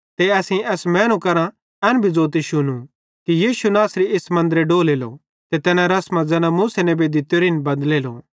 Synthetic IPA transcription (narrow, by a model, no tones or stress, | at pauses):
t̪eɐsĩɛsmɛ̃ːñũkɐɾã | ɛnbʱid͡zoːt̪̬iʃʊnũ | kijiːʃunaːsɾieːsmɐ̃nd̪əɾeɖoːleːlo̰ | t̪et̪ɛːnãɾɐsmɐ̃d͡zɛːnãmuːsɛnɛbʱed̪ɪt̪ːjoɾɪnbɐ̃nd̪leːlo̰